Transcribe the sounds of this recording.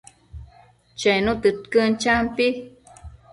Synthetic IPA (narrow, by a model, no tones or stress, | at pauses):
t͡ʃeinut̪ɨt̪kənt͡ʃampi